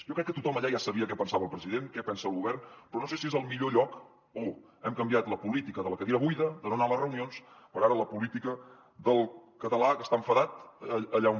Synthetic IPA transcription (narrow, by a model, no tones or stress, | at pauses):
ʒɔkɾɛkːət̪ut̪ɔməʎajasəβiək̬ɛpənsaβəlˠpɾəziðenkɛpɛnsəːlˠɣuβɛrnpɾɔnosesiezəlˠmiʎoʎɔk | o | ɛmkəmbijat̪ləpulit̪ikəðələkəðiɾəβujðəd̪ənonalərəunions | pəɾaɾələpulit̪ikə | ðəlˠkət̪əlakəst̪aəɱfəðat̪əʎau